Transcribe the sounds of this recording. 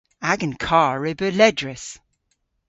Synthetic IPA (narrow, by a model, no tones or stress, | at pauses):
aɡə̃nkʰɑːɹɪbəlɛdɹəs